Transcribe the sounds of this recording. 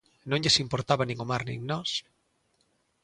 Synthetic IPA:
nõŋʎesimpoɾt̪aβanĩŋomaɾnḭ̃ŋnɔs

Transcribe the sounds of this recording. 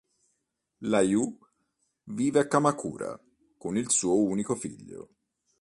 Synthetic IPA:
laju | viːveakːamakṵːɾa̰ | konilsuːouːnikofḭʎːo̰

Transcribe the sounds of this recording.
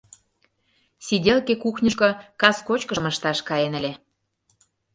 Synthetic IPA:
sʲidʲelkekuxnʲəʃkɤ̆kɑskot͡ɕkə̆mə̆ʃt̪ɑʃkɑjenə̆lʲe

